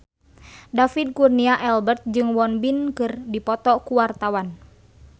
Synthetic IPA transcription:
dafid̚kurniaʔɛlbərt̪̚d͡ʒɨŋwɔnbinkɨrdipɔt̪ɔkuwart̪awan

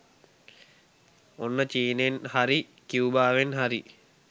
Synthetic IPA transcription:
onːət͡ʃiːnenhaɾi | kiubaːʋenɦaɾi

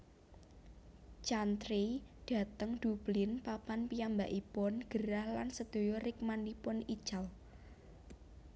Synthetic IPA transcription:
t͡ʃant̪ɾid̪̥a̤t̪əŋd̪̥ṳb̥lɪnpapanpijambaʔipʊnɡ̥əɾahlansəd̪̥o̤jɔɾɪk̚manipʊnid̥ʒ̥al

